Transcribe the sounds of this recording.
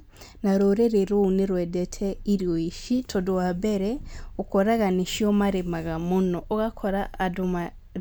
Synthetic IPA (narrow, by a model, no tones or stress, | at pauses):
naɾoɾeɾeɾoneɾwɛdɛtʰɛiɾjɔiʃitʰɔdowabɛɾɛokɔɾaɣaniʃiɔmaɾemaɣamonɔʔoɣakʰɔɾaːdoma